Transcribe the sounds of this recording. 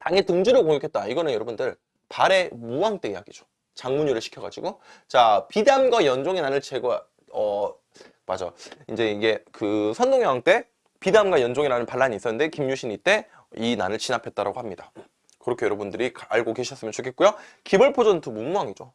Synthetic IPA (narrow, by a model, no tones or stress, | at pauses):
taŋetɯŋd͡ʑuɾɯkoŋekʰet̚t͈aiɡʌnɯnjʌɾʌbundɯɭ | paɾe̞muwaŋt͈eijaɡid͡ʑo | t͡ɕaŋmuɲuɾɯɭɕʰi̥kʰjʌɡa̰d͡ʑiɡot͡ɕapidamɡwajʌnd͡ʑoŋenanɯɭt͡ɕʰeɡo | ʌ | ma̰d͡ʑʌind͡ʑe̞iɡe̞kɯsʰʌndoŋewaŋt͈e̞ | pidamɡwajʌnd͡ʑoŋiɾanɯnpaɭːaɲiːs͈ʌnːɯnde̞kimɲuɕʰiɲit͈e̞ | ina̰nɯɭt͡ɕinapʰe̞t̚t͈aɾa̰ɡohamɲida | kɯɾʌkʰe̞jʌɾʌbundɯɾikaɭɡokeɕʰiʌs͈ɯmjʌnt͡ɕokʰet̚k͈ujokibɯɭpʰod͡ʑʌntʰumumuwaŋid͡ʑo